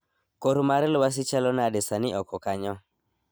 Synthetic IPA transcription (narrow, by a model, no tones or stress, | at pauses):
koɾumaɾɛlwas̬ɪt͡ʃalɔnadɛsanɪʔɔkɔkaɲɔ